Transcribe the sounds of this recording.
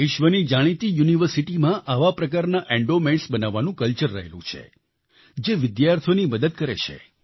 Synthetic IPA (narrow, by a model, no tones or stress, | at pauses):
ɪʃʋənid͡ʒaɽ̃it̪ijuniʋəɾsiʈimãʔaʋapɾəkaɾnaʔɛ̃ɳɖomeɳʈsbənaʋːanũkəlt͡ʃəɾːə̰ɦḛlṵ̃t͡ʃʰḛ | d͡ʒeʋɪd̪jaɾt̪ʰoniməd̪əd̪̚kəɾḛt͡ʃʰḛ